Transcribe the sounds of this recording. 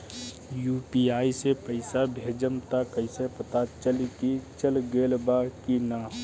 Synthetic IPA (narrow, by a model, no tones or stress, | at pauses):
jupiaːisepəɪsabʱed͡ʒəmt̪akəɪsepət̪at͡ʃəlikit͡ʃəlɡelbakina